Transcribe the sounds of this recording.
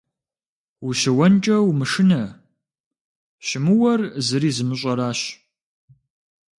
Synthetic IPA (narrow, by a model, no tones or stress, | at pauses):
wuɕɪwɐnt͡ʃʼɐwmɨʂɨnɐ | ɕɪmɨwɐrzɨɾiːzɨmɨɕ̬ʷʼɐɾaːɕ